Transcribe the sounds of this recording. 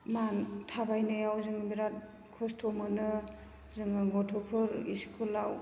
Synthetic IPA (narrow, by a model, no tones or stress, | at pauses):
mantʰabajnɯjawzɯŋbiɾat̚ | kʰustʰɔmɯnɯ | zɯŋɯɡɔtʰupʰɯɾḭskʰulaw